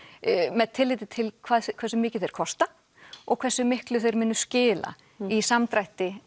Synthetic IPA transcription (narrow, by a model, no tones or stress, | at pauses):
mɛðt̪ʰɪlːɪːt̪ɪt̪ʰɪlkʰv̥aːðkʰvɛɾsʏmɪːcɪθejɾ̥kʰɔst̪a | ɔɣkʰvɛsːʏmɪhklʏθejɾmɪnːʏ̥scɪːla̰ | isamt̪ɾajht̪ɪ